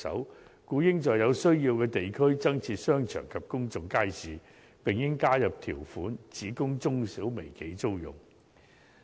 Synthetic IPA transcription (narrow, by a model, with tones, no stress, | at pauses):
sɐ̰˨˥wkuː˨˥jɪ˥ŋt͡sɔː˨˧jɐ˨˧wsɵ˥ɥjiː˧wkɛː˧t̪e˨jkʰɵ˥ɥt͡sɐ˥ŋt͡sʰiː˧t̚sœː˥ŋt͡ʃʰœ̰ː˨˩ŋkʰɐ˨p̚kʊ˥ŋt͡sʊ˨ŋkaː˥jsiː˨˩ | pɪ˨ŋjɪ˥ŋkaː˥jɐ˨p̚t̪ʰiː˨˩wfuː˨˥nt͡siː˨˥kʊ˥ŋt͡sʊ˥ŋsiː˨˥wme˨˩jke˨˥jt͡so˥wjʊ̰˨ŋ